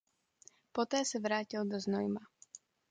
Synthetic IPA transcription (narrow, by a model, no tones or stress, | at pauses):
pot̪ɛːsɛvɾaːcɪldoznojma